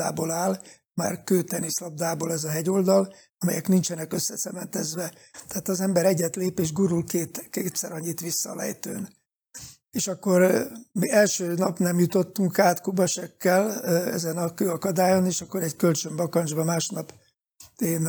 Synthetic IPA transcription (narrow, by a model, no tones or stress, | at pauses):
a̰ːbolaːl | ma̰ːrkøːt̪ɛnislɒb̚d̪aːbolɛzɒɦɛɟo̞ld̪ɒl | ɒmɛ̰jɛknint͡ʃɛnɛkøsːɛsɛmɛnt̪ɛzʋɛ | t̪ɛaːt̪ɒzɛmbɛɾɛɟːɛt̪leːpeːʒɡuɾulkeːt̪keːt̪sɛ̰ɾɒɲːit̪ʋisːɒːlɛ̰jt̪ø̰ːn | eːʃɒkːo̞rmiɛlʃøːnɒpnɛmjut̪o̞t̪ːuŋkaːt̪kubɒʃɛkːɛlɛ̰zɛnɒkøːɒkɒd̪aːjo̞neːʃɒkːo̞ɾɛɟkølt͡ʃø̞mbɒkɒnd͡ʒbɒmaːʃnɒp | eːn